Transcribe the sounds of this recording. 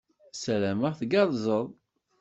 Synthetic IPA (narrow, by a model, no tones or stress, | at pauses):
sælæməθɡɑðˤzˤəðˤ